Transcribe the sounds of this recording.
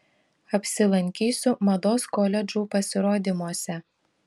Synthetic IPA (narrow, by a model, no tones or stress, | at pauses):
ɐpʲsʲɪlˠɐŋʲkʲiːsʲʊmɐd̪oːskɔːlʲɛd͡ʒuːpɐsʲɪɾoːd̪ʲɪmoɔsʲɛ